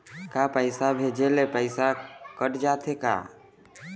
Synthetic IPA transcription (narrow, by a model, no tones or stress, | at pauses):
kapəɪsabʱed͡ʒelepəɪsakəʈd͡ʒat̪ʰeka̰ː